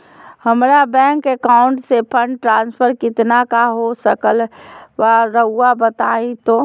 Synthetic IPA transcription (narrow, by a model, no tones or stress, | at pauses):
həmɾabɛ̃ːŋkekaʊɳʈsepʰə̃ɳɖʈɾãːnspʰəɾkɪt̪nakaɦosəkəlʋaɾəɦuabət̪aːĩt̪o